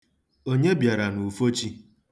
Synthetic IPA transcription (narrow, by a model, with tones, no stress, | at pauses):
o˦ɲe˦bja˨ɾa˨nu˨fo˦t͡ʃi˦